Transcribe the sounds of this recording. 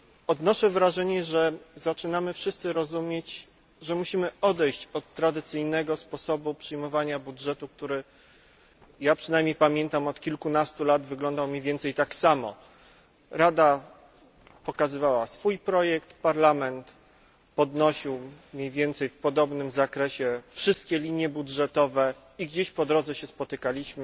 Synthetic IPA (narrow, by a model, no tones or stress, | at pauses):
ɔd̪nɔʂɛvɾaʐɛɲɛʐɛzat͡ʂɘnamɘfʂɘst̪sɘɾɔzumʲjet͡ɕ | ʐɛmuɕimɘɔd̪ɛjɕt͡ɕɔt̪ːɾad̪ɘt̪sɘjnɛɡɔspɔsɔbupʂɘjmɔvaɲabudʐɛt̪uk̚t̪uɾɘ | japʂɘnajmɲejpamʲjɛnt̪amɔt̪kʲilkunast̪ulad̪vɘɡlɔnd̪awmʲivʲjɛnt̪sɛjt̪aksamɔ̰ | ɾad̪a | pɔkazɘvawasfujpɾɔjɛkt̪paɾlamɛnt̪ | pɔd̪nɔɕiwmʲɲivʲjɛnt̪sɛjfpɔd̪ɔbnɘmzakɾɛɕɛfʂɘst̪kʲɛlʲiɲjɛbudʐɛt̪ɔvɛ | iɡd͡ʑeɕpɔd̪ɾɔd̪zɛɕɛspɔt̪ɘkalʲiɕmɘ